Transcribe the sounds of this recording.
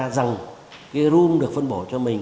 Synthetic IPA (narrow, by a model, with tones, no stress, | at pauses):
za˨˩ŋ | kaː˨˦zu˧mɗɨ˨˩ək̚fə˧nɓo˧˩t͡ɕɔ˧mï˨˩ŋ